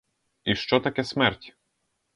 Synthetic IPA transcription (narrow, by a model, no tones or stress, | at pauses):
iʃt͡ʃɔt̪akʲɛsmɛɾtʲ